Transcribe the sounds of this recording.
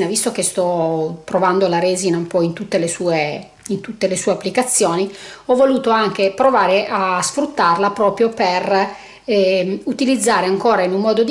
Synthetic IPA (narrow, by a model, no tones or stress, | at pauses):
navist̪ok̟est̪ɔp̪ɾovand̪olaɾeːzinaumpɔint̪ut̪ːelesuːe | int̪ut̪ːelesuːeapːlikat̪sːjoːniɔvːoluːt̪oaŋkepɾovaːɾeʔasfɾut̪ːarlapɾɔːpɾjoper | ɛut̪ilid̪zːaːɾeaŋkoːɾainummɔːd̪od̪